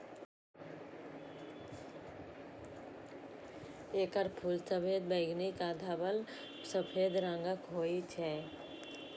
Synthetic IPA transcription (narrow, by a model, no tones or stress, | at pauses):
eːkəɾpʰuːlsəbʰeːd̪̚bəɪɡnikaːd̪ʱabəl | səpʰeːd̪ɾãːŋɡəkɦoːit͡ʃʰɛː